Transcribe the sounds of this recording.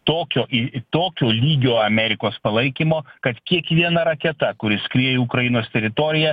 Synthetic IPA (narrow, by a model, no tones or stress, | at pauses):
t̪oːkʲoːʔɪt̪oːkʲoːlʲiːɡʲoːɐmʲɛɾʲɪkoːspɐlˠɐɪkʲɪmoːkɐt̪kʲiɛkʋʲiɛnɐɾɐkʲɛt̪ɐkʊɾʲɪsʲkɾʲijɛukɾɐjɪnoːst̪ʲɛɾʲɪt̪oɾʲɪjɛ